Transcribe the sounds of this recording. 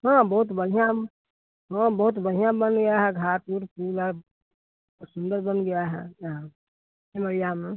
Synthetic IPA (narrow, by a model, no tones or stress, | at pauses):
ɦãːbɐɦʊt̪bəɽ̤ijã | ɦãːbɐɦʊt̪̬bɐɽ̤ijãbənɡɐjaɦɛɡʱaːt̪uːɾpuːla | sʊ̃nd̪əɾbənɡɐjaɦɛa | ebəɾijam